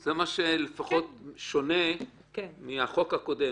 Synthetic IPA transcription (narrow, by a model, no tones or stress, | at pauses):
zemaʃelefaχo̞tʃo̞ne̞ | kmiaχo̞khako̞de̞